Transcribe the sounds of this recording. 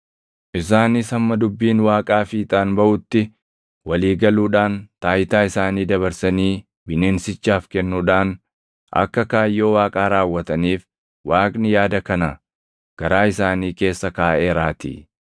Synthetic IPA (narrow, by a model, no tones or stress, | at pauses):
ʔɪs̬aːnɪsɐmːɐd̪ʊbːiːnwaːkʼaːfiːt̪ʼaːnbɐʔʊt̪ːɪ | wɐliːɡɐluːᶑaːnt̪aːjt̪aːɪsaːniːd̪ɐβɐɾsɐniː | bɪneːnsɪt͡ʃːaːfkɛnːuːᶑaːn | ʔɐ̰kːɐkaːjːoːwaːkʼaːɾaːwːɐt̪ɐniːf | waːkʼnɪjaːd̪ɐkɐnɐ | ɡ̥ɐɾaːɪsaːniːke̞ːsːɐkaːʔeːɾaːt̪ɪ̰